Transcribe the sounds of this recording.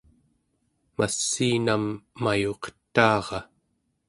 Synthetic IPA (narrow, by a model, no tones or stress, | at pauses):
masːiːnamːajoqt̪ːɑːʁɑ